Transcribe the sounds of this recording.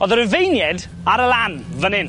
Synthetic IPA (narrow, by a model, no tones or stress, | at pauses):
ɔðəɾəvejnjɛd | aɾəlanvənɪn